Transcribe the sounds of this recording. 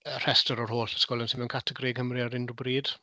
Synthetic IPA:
ər̥ɛstɔɾɔrhoːɬə̥skɔlˠənsɪnmɛnŋkʰatʰəɡɾiɡʰəmriaɾɪnrubriːd̥

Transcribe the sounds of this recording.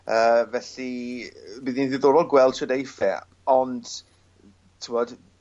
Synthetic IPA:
əːvɛɬi | biːðinðɪðoɾɔlˠɡwɛlˠd̥ʃɔdejfɛ̰ | ɔnd̥ | tʰɪmɔd̥

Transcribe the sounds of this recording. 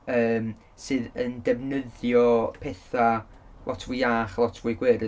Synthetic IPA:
əːm | sɨːðəndɛvnəðjɔpʰɛθa | lˠʔɔtʰv̥ujaːχlˠɔtʰvuɨɡwɛɾɨ

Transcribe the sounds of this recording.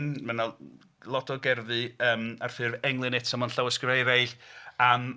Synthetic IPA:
nmana | lˠɔdɔɡɛrðɨəːmarθɨrvɛŋlˠɨnɛtʰsamɔnɬawəskrejɾajɬam

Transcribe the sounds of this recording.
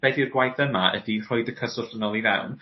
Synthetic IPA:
b̥ɛdirɡwajθəmaʔə̰dir̥ɔjdəkʰəsʊɬənɔlˠiða̰wn

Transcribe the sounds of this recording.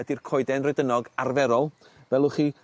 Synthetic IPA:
ədirkʰɔɨdɛnrɔɨdənɔɡarvɛɾɔlˠ | vɛlˠʊχi

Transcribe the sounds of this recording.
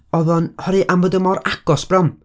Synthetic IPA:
ɔðɔnhɔɾɨʔamvədəmɔɾaɡ̥ɔsb̥rɛm

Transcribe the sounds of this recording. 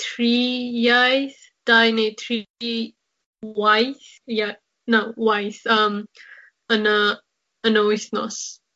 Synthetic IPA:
tʰɹijajs | d̥ajnetʰɹi | wajs | ja | nowajsʌm | ənə | ənowisnɔ̰s

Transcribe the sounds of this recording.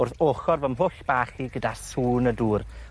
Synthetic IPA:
ʊrθoːχɔrvəmɦʊɬb̥aːχiɡədasuːnəduːr

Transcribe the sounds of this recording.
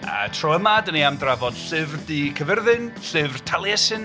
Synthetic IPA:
a̰tʰroəmadəniamdravɔd̥ɬɨvrdikʰəvərðɨnɬɨvrtʰalˠjɛsɨn

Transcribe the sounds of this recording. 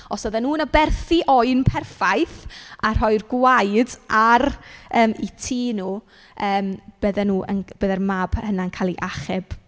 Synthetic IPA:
ɔsɔðɛnuːnəbɛrθiʔɔɨnpʰɛrfajθar̥ɦɔjrɡwajdʔarəːmitʰiːnuː | əːmb̥əðɛnuːʔə̰nb̥əðɛrmab̥hənaənkʰaːlˠiʔaχɛb̥

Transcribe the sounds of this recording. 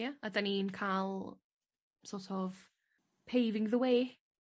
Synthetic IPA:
aadaninkʰalˠ | sɔtʰɔv | pʰejvɪŋðəweː

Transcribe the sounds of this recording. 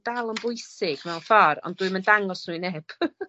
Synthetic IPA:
d̥alˠənbʊɨsɪɡ̥mɛwnfɔɾɔ̰nduɨməndaŋɔsnuɨnɛb̥

